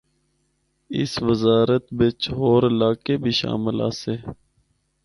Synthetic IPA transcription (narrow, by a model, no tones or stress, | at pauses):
ɪ̰sʋəzaːɾət̪bet͡ʃɦoːɾɪlaːkebʱiːʃa̰ːmɪla̰ːseː